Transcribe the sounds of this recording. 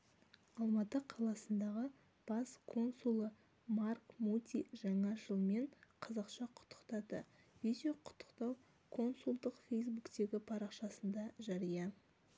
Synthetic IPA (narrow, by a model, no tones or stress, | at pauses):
ɑlˠmɑt̪əqʰɑlˠɑsənd̪ɑʁə | b̥ɑskʰo̞nsulˠə | markmut̪ʲiʒɑɴɑʒəlˠme̞ɴqʰɑzɑqʃɑqʰʊ̥t̪ːə̥qt̪ɑd̪ə̰ | vid̪ʲoqʰʊ̥t̪ʰːə̥qt̪ɑw | kʰo̞nsulˠd̪əqfʲe̞js̬bukt̪e̞ɡʲɪpʰɑɾɑqʃɑsənd̪ɑʒɑɾijɑ